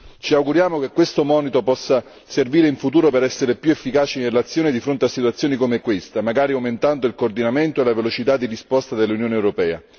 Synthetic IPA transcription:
t͡ʃiawɡuɾjaːmok̟ekːwest̪omɔːnit̪opɔsːa | serviːɾeiɱfut̪uːɾopeɾɛsːeɾepjuefːikaːt͡ʃiinrelat̪sːjoːned̪ifɾont̪easːit̪uat̪sjoːnikomeɛkːwest̪amaɡaːɾiawment̪and̪oilkoːrd̪inament̪oelavelot͡ʃit̪ad̪ːirispɔst̪ad̪elːunjoːnewɾopɛːa̰

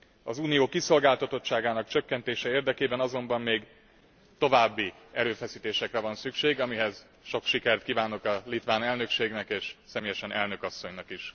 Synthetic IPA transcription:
ɒ̰zuːnijoːkiso̞lɡaːlt̪ɒt̪o̞tt͡ʃːaːɡaːnɒkt͡ʃø̞kːɛnt̪eːʃɛeːrd̪ɛkeːbɛnɒzo̞mbɒmːeːɡ | t̪o̞vaːbːi | ɛɾøːfɛsiːt̪eːʃɛkrɛvɒnsykʃeːɡɒmiɦɛz̥ | ʃo̞kʃikɛrt̪̚kiːvaːno̞kɒlit̪ʋaːnɛlnø̞kʃeːɡnɛkeːʃsɛmeːjɛʃɛnʔɛlnøkɒsːo̞ɲnɒkiʃ

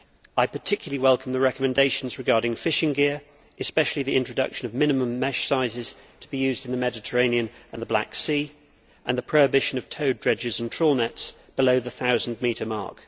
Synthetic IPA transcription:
aɪpə˞tʰɪkjl̩əliwɛlˠkʰə̃m̩ðəɹɛkəmɨ̃ndeɪʃə̃n̩zɹɨɡɑɹɾɪ̃ŋfɪʃɪ̃ŋɡɪəɹ | ʔɨspɛʃəl̩ˠiðiʔɪ̃nt͡ʃɹ̥ədʌ̰kʃə̃nəvmɪ̃nɨmə̃mːɛʃsaɪzɪz̥ | tʰəbijʉːzdɨ̃nðəmɛdɪtʰəɹẽɪ̃niə̃nə̃nðəbla̰ksiː | ʔə̃nðəpʰɹ̥əʊɪbɪʃə̃nəv̥tʰəʊdɹɛd͡ʒɪzə̃ntʰɹ̥ɔlˠnɛtsb̥ɪloʊðəθaʊzn̩miˑɾəmɑ̰ˑɹk

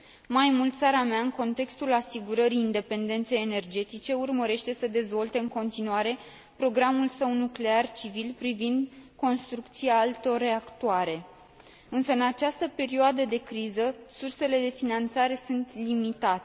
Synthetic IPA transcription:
majmult̪t̪saɾameaɨŋko̞nt̪e̞kst̪ulasiɡuɾəɾiːnd̪e̞pe̞nd̪e̞nt̪se̞jene̞rd͡ʒe̞t̪it͡ʃe̞urməɾe̞ʃt̪e̞səd̪e̞zvo̞lt̪e̞ɨŋko̞nt̪inuaɾe̞ | pɾo̞ɡɾamulsəwnukle̞art͡ʃivilpɾivind̪ko̞nst̪ɾukt̪siaalt̪o̞rːe̞akt̪uaɾe̞ | ɨnsəɨnat͡ʃast̪əpe̞ɾioad̪əd̪e̞kɾizəsurse̞le̞d̪e̞finant̪saɾe̞sunt̪limit̪at̪e

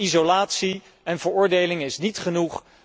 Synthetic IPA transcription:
izolaːtsi | ɛnvəɹʊːɹdejlɪŋɪsnitχənuχ

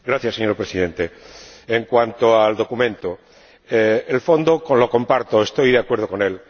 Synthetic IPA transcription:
ɡɾaθjasːeɲoɾpɾesiðe̞nt̪eeŋkwant̪oald̪o̞kumẽnt̪o | eelfo̞nd̪okolokõ̞mpaɾt̪oest̪o̞jðeakwe̞ɾð̞okonel

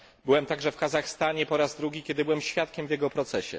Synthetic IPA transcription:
bɘwɛmt̪aɡʐɛfkazaxst̪aɲɛpɔɾazd̪ɾuɡʲikʲɛd̪ɘbɘwɛmɕfʲjat̪̚kʲɛmvʲjɛɡɔpɾɔt̪sɛɕɛ̰

